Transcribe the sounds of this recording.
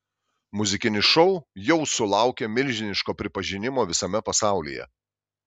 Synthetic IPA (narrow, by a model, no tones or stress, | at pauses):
mʊzʲɪkʲɪnʲɪʃɔʊjɛʊsʊlˠɑˑʊkʲeːmʲɪlʲʒʲɪnʲɪʃkoːpʲɾʲɪpɐʒʲɪnʲɪmoːʋʲɪsɐmʲɛpɐsɑˑʊlʲḭjɛ̰